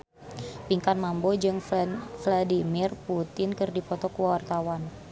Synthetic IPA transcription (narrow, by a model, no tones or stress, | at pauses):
piŋkanmambod͡ʒɨŋfladimirput̪ɪnkɨrdipɔt̪ɔkuwawart̪awan